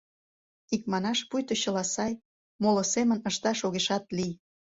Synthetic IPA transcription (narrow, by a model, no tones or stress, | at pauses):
ik̚mɑnɑʃpujt̪oɕəlɑsɑj | molŏsemənəʃt̪ɑʃoɣeʃɑt̪lij